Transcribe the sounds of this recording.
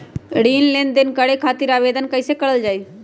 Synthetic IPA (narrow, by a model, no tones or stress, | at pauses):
ɽiːnlẽːnd̪ɪnkəɽekʰaːt̪iɾaːʋeːd̪ənkəɪsekəɽəld͡ʒaːiː